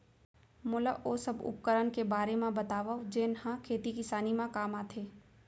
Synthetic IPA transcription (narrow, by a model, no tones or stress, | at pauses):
mʊləʔoːsɐbʊ̰p̚kəɾənkebaːɾemẽbɐt̪aːʋad͡ʒeːnhãkʰeːt̪ikɪsaːnimãkaːmaːt̪ʰeː